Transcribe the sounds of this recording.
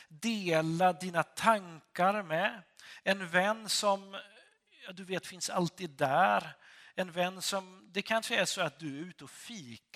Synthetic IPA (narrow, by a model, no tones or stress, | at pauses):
d̪eːlad̪iːnat̪ʰaŋkaɾmɛɛnvɛnːsɔm | jɑd̪ɵveːt̪fɪnsa̰lt̪iːd̪ːæːɾɛnvɛnːsɔmd̪ɛkʰanʂəæʂɔat̪̚d̪ɵæɾɾʉːt̪ɔfiːk